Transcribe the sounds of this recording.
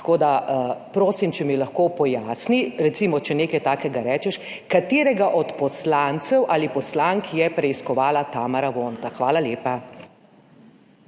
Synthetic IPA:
t̪ḁkoːd̪apɾoːsimt͡ʃɛmilaxkoːpɔjaːsniɾɛt̪simɔt͡ʃɛneːkajt̪aːkɛɡaɾɛːt͡ʃɛʃ | kat̪eːɾɛɡaʔɔt̪pɔslaːnt̪sɛwʔaːlipɔslaŋkjɛpɾɛiskɔʋaːlat̪aːmɐɾaʋoːnt̪axʋaːlaleːpa

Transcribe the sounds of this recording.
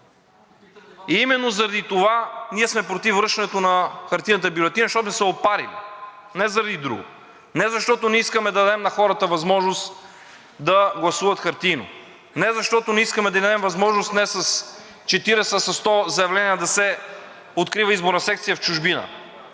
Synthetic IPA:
iimɛnːozɐɾɐd̪it̪ovaniɛsmɛpɾot̪ifvɾɤʃɛnɛt̪onɐxɐɾt̪inət̪̬əbjulɛt̪inəʃt̪ɔt̪nɛsɛopaɾḭlḭ | nɛzɐɾɐd̪id̪ɾṵɡʊ̰ | nɛzɐʃt̪ɔt̪onɛiskəmɛd̪ɐd̪ɛmnɐxɔɾət̪əvɐzmɔʒnost̪ | d̪ɐɡlˠɐsuvɐt̪xɐɾt̪ino̰ | nɛzɐʃt̪ɔt̪onɛiskəmɛd̪ɐind̪ɛmvɐzmɔʒnost̪nɛsɐs | t͡ʃɛt̪iɾɛsəsɐst̪ɔzɐjɐvlɛniəd̪ɐsɛ | ot̪kɾivəizboɾnɐsɛk̚t̪sijəft͡ʃuʒbinə̰

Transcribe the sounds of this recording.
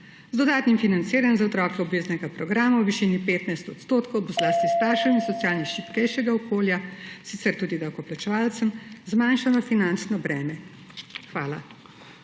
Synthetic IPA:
zd̪ɔd̪aːt̪nimfinant̪siːɾanzaɔt̪ɾɔːkɛɔbveːznɛɡapɾɔɡɾaːmawʋiʃinipeːt̪najst̪ɔt̪st̪oːt̪kɔwbɔzlaːst̪ist̪aːɾʃəninsɔt̪sijaːlniʃipkɛjʃɛɡaɔkoːljasit̪sɛɾt̪uːd̪id̪awkɔplat͡ʃɛʋaːlt̪səmzmanʃanɔfinant͡ʃnɔbɾɛːmɛ | xʋaːla

